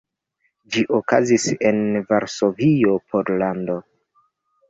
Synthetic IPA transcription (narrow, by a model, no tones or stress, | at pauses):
d͡ʒiʔokazise̞nvaɾso̞vio̞pʰo̞ɾlando̞